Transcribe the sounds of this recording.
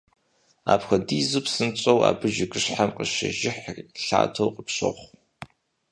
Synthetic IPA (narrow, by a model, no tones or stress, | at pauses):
a̰ːpxɐdiːzɨpsɨnt͡ɕʼɐwa̰ːbɨʒɪkʼɨɕħamqəʃɐ̰ʒɪħrɬa̰ːtʰɐwqəpɕɐ̰χʷ